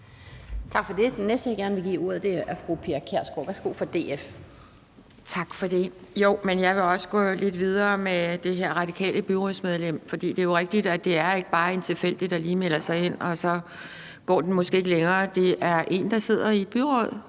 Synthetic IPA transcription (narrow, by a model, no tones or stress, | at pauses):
t͡sʰɑ̈ɡ̥fɒ̽d̥e̝d̥enːesd̥əjäɡ̥æɐnəʋe̝ɡ̥ḭːuɐ̰ðˠd̥e̝æɐfʁupʰe̝ɐkʰæɐ̰sɡ̥o̰ʋæɐsɡ̥o̝̰ːfɒd̥e̝̰ːef | t͡sʰɑ̈ɡ̥fɒ̽d̥e̝jo̝ʊmenjɑ̈ɪʋe̝ɒ̽sə̥ɡ̥ɔ̽le̝d̥ʋið̞ˠɐːmed̥e̝ɦeɐ̰ʁɑ̈d̥ikʰɛ̰ːləb̥yʁɔsmeð̞ˠlem̰fɒ̽d̥ḭːd̥e̝æjo̝ʁeɡ̥̚d̥id̥æd̥e̝æɐe̝ɡ̥əb̥ɑ̈ːe̝nt͡sʰe̝lfel̰d̥id̥æliːmel̰ɐsɑ̈ɪe̝n̰ɒ̽sɒ̽ | ɡ̥ɒ̰ːd̥en̩mɔsɡ̥e̝ːeɡ̥leŋɐːd̥e̝ʔæɐʔe̝̰nd̥ɑ̈se̝ð̞̰ˠɐied̥b̥yʁɔð̰ˠ